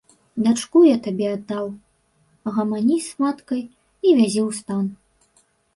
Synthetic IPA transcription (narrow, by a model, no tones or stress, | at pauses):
d̪at͡ʂkujat̪abʲɛad̪ːaw | ɣɐmanʲismat̪kɐj | ivʲazʲiwst̪an